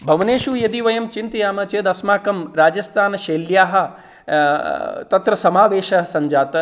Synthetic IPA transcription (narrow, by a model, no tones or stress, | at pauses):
bʱɐʋɐneːʃujɐd̪iʋɐjɐmt͡ʃint̪ijaːmɐt͡ʃeːd̪ɐsmaːkɐmɾaːd͡ʒɐst̪ʰaːnɐʃeːljaːɦɐ̆ | t̪ɐt̪ɾɐsɐmaːʋeːʃɐɐsɐɲd͡ʒaːt̪ɐ